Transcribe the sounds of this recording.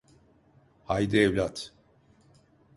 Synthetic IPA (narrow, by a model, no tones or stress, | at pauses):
hajd̪eːwlʲat̪